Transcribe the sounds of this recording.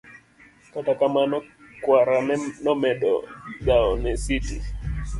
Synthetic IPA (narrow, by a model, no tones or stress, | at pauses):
katakamanɔkwaɾanɛnɔmɛɗɔ̰ɗaɔnɛsiti